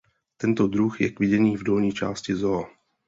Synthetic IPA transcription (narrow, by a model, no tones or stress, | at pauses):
t̪ɛnt̪o̞dɾuxjɛkvɪɟɛniːvdo̞lɲiːt͡ʃa̰ːscɪzoa